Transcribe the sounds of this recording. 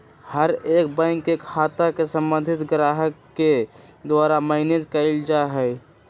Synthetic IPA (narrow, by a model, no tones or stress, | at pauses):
həɾeːkbə̃ŋkːekʰaːt̪akesəmbə̃nd̪ʱɪt̪ɡɾaːɦəkːed̪waːɾaməɦɪnet̪kəɪld͡ʒaɦɛ